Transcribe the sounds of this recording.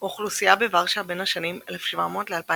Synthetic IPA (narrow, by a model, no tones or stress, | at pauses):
oχlusijabevaʁʃabe̞nhaʃanimelefʃva̰mo̞ːtlealpa